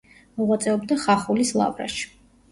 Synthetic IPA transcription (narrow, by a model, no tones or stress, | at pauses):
mɔʁwat̪sʼɛɔbd̪aχaχulislˠa̰vɾa̰ʃi̥